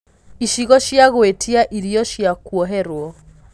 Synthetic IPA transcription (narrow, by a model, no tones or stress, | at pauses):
iʃiɣɔʃjaɣoetʰiaʔiɾiɔʃjakuɔɦɛɾwɔ